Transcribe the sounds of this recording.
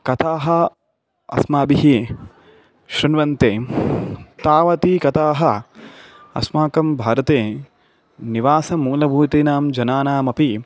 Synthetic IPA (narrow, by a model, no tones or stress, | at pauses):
kɐt̪ʰaːɦɐ | ɐ̰smaːbiɦi | ʃɾɐnʋɐnt̪eː | t̪aːʋɐt̪ikɐt̪aːɦɐ | ɐ̰smaːkɐmbʱaːɾɐt̪eː | niʋaːsɐmuːlɐbʱuːt̪iːnaːmd͡ʒɐnaːnaːmɐpi